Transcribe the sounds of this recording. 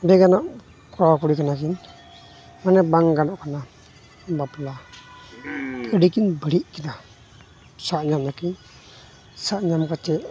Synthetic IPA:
bɛɡanɔʔ | kawakuɾikanakin | manɛbaŋɡanɔʔkana | bapla | pʰəɖikinbəɾiʔkina | saʔɲamɲakin | saʔɲamkat͡ʃɛʔ

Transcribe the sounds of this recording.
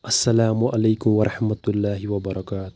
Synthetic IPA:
ʔɐsːɐlaːmʊʔalajkʊmwɐɾˤɑħmat̪ʊlːaːɦɪwɐbɐɾˤɑkaːt̪ʊ̥

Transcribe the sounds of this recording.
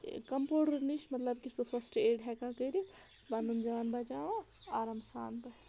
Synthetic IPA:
kɐmpoːɖɐɾniʃmɐt̪ləbkisupʰɐsʈeːɖɦɛkakəɾi | bɐnund͡ʒaːnbɐd͡ʒaːo | aːɾɐmsa̰ːnbɐ

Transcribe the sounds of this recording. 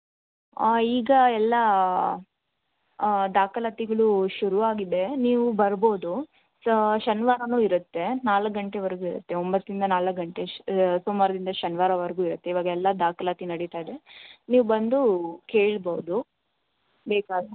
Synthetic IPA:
iːɡɐɛlːɐ | d̪aːkɐlat̪iɡɐɭuʃuɾuʋaːɡid̪e̞niːʋubɐɾboːd̪u | ʃɐnʋaːɾɐnuːiɾɐt̪ːe̞naːlɐkɡɐɳʈe̞ʋɐɾɐɡuːiɾɐt̪ːe̞ombɐt̪ːɾind̪ɐnaːlɐkɡɐɳʈesumaːɾud̪ind̪ɐʃɐnʋaːɾɐʋɐɾɐɡuːiɾɐt̪ːe̞iʋaːɡɐɛlːɐd̪aːkɐlat̪inɐɽit̪aːjd̪e̞niːʋubɐnd̪uke̞ːɭbɐʋud̪u | beːkaːɡ̪ɐ

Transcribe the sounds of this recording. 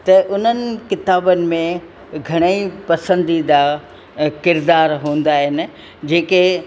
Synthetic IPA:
t̪ɐʔʊn̤ənɪ̆kɪt̪aːbənɪ̆mẽ | ɡʱɐɽ̃əipɐsə̃nd̪id̪aː | kɪɾd̪aːɾɦũːn̆d̪aːɦɪnɪ̆ | d͡ʑeːke

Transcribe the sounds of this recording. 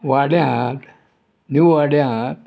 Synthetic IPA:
ʋaɽjãt̪ | nuʋaɽjãt̪̚

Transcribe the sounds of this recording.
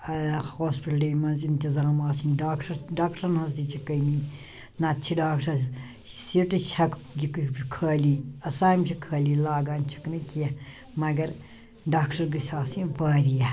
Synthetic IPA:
hoːspiʈɖimɐnzint̪izaːmaːsinɖaːkʈɐɾɖaːkʈɐɾnɦɐs̬d̪it͡ʃʰikɐjni | nat͡ʃʰiɖaːkʈɐɾ | siʈɨt͡ʃʰɐkɡʲikkʰəːliɐsaːjmt͡ʃʰikʰɐːlilaːɡaːnʲt͡ʃʰu̥knikijɐ | mɐɡɐɾ | ɖaːkʈɐɾɡɨsaːsĩpɐːɾijɐ

